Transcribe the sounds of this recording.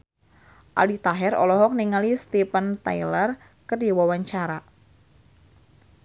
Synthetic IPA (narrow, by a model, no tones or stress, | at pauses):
ʔa̰lit̪aɦɛɾɔ̰lɔɦɔk̚niŋalist̪ipənt̪ajlər | kərdiwawaɲt͡ʃaɾa